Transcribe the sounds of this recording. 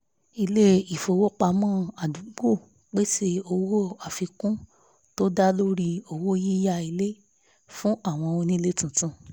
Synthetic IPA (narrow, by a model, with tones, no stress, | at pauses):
i˧le˦i˨fo˨˧wo˦k͡pa˧˦mɔ̃ː˦˨a˨du˨˦ɡ͡bo˦˨ | k͡pe˦se˧o˧wo˦˨a˨fi˧kũ˦ | to˦da˦lo˦ɾi˧o˧wo˦ji˦ja˧i˧le˦ | fũ˦a˦˨w̃ɔ̃˧o˧nĩ˦le˦tũ˨tũ˦˨